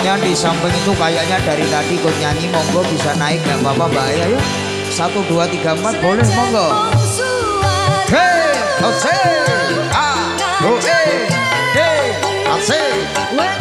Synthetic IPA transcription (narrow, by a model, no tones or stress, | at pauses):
ɲadisambəŋit̪ukajaʔɲaɖaɾit̪aɖikot̪̚ɲaŋimɔŋɡɔb̥isanaɪk̚ɡ̥ambapabajaja | sat̪uɖuat̪iɡ̥a̤əmpat̪̚b̥olɛhmɔŋɡɔ | e | ose | a | oʔe | de | ase